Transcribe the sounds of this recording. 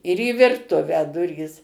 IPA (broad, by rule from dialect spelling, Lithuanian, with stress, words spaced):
ɪr iː ʋʲɪrˈtʊʋʲæː ˈdʊrʲiːs